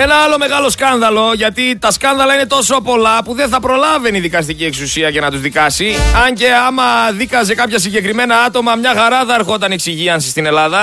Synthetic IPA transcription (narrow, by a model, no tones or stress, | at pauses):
e̞nɐɐlo̞me̞ɣɐlo̞skɐnðɐlo̞ʝɐt̪it̪ɐskɐnðɐlɐine̞t̪o̞sopo̞lɐpuðe̞nθɐpɾo̞lɐve̞niðikɐs̬t̪icieksusiɐce̞nɐt̪uzðikɐsiɐɲce̞ɐmɐðikɐs̬e̞kɐpçɐsiɲɟe̞kɾime̞nɐɐt̪o̞mɐmɲɐxɐɾɐðɐeɾxo̞t̪ɐneksiʝiɐnsest̪ine̞lɐðɐ